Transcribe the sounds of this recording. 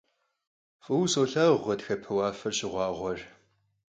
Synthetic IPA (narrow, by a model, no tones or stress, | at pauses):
fʼɨwsoːɬaːʁʷɐdxɐpʰɨwɑːfɐrɕɪʁʷɑːʁʷɔr